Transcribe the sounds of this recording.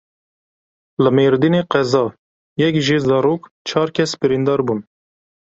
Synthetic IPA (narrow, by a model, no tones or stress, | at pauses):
lɨmeːɾd̪ineːqɛzɑː | jɛkʒiːzɑːɾoːk | t͡ʃʰɑːɾkʲʰɛsbɨɾiːnd̪ɑːɾbun